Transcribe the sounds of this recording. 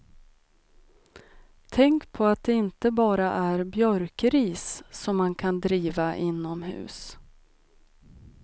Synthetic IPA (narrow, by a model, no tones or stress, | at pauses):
t̪ʰɛŋkpʰɔat̪̚d̪ɛɪnt̪əbɑːɾaʔæɾbjœɾkɾiːsːɔmːankʰand̪ɾiːvaʔɪnːɔmhʉ̟̰ːs